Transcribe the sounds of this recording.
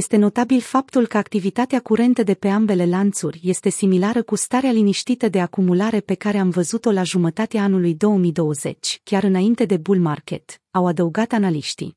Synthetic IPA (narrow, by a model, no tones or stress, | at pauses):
jest̪e̞no̞t̪abilfap̚t̪ulkəakt̪ivit̪at̪eakuɾe̞nt̪əd̪e̞pe̞ambe̞le̞lant̪surʲje̞st̪e̞similaɾəkust̪aɾealiniʃt̪it̪əd̪e̞akumulaɾe̞pe̞kaɾe̞amvəzut̪o̞laʒumət̪at̪eaanulujd̪o̞wəmijd̪o̞wəze̞̰t͡ʃʲkʲaɾɨnaint̪e̞d̪e̞bulmarkʲe̞t̪awad̪əuɡat̪analiʃt̪ḭ